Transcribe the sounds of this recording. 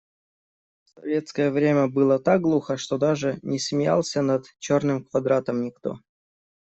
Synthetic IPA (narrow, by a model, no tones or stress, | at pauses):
sɐ̰vʲet̪skəjəvɾʲemʲəbɨlˠət̪ak̚ɡlˠuxəʂt̪od̪aʐɨnʲɪsmʲɪja̰lˠsʲənat̪t͡ɕornɨmkvɐd̪ɾat̪əmnʲɪkt̪o̞̰